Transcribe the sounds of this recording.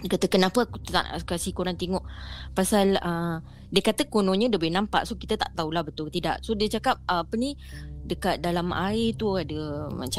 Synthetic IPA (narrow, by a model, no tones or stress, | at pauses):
diəkat̪əkənãpəkt̪t̪a̰ʔskasikoɾaŋt̪eŋɔʔpasalə | diəkat̪əkonɔ̃ɲə̃dəbɛnampa̰ʔsokit̪ət̪a̰ʔt̪aulahbət̪ʊlt̪ida̰ʔsodiət͡ʃakap̚aapənĩ | dəkat̪̚dalama̰ɪt̪uadəma̰t͡ʃa